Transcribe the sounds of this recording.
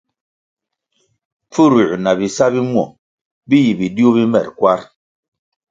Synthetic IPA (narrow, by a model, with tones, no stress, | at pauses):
p͡fu˦ɾu˨na˨bi˨sa˦bi˦m˦ɔ̰˨ | bi˦ji˨bi˨di˦o˦bi˦mɛ̰˨ɾkwa˦ɾ